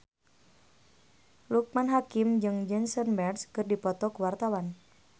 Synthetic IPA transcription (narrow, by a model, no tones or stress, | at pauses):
luk̚manɦakimd͡ʒɨŋd͡ʒɛnsɔnmɛrskɨrdipɔt̪ɔkəwart̪awan